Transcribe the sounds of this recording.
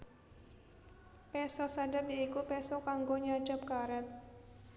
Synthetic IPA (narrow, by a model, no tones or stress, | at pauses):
pɛsɔsaɖəpjaikupɛsɔkaŋɡoɲḁd͡ʒ̥əp̚kaɾɛt̪̚